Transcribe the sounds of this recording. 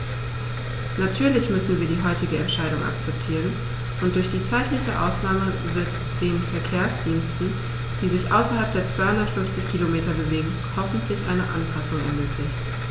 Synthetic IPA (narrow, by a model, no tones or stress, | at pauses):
natʰyːɐlɪçmʏsn̩viːɐdiːɦɔʏtɪɡəɛntʃaɪɾʊŋʔa̰kt͡sɛp̚tʰiːʁən | ʔʊnt̚d̥ʊɐçd̥iːt͡saɪtlɪçəʔa̰ʊsnaːmə | vɪɐt | d̥eːnfɛɐkʰeːɐsd̥iːnstn̩ | d̥iːzɪçʔa̰ʊsɐhalp̚d̥eːɐt͡sv̥aɪhʊndɐtfʏnft͡sɪçkʰilomeːtɐbəveːɡŋ̩ | hɔfn̩tʰlɪçʔaɪnəʔa̰npʰasʊŋɛ̰ɐmøːkʰlɪçt